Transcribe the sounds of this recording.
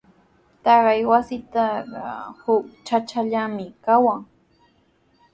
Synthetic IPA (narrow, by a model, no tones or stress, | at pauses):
t̪ɑɢɑjwasɪt̪ɑɢɑ̰hʊk̚t͡ʃat͡ʃaʎamɪkawaŋ